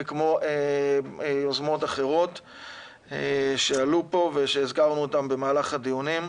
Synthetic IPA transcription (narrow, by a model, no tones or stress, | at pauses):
kmo̞ʔe | ozmo̞t̪aχe̞ʁo̞t | eʃe̞alupo̞veʃe̞ːzɡaʁnuotambe̞maːlaχad̪ijunim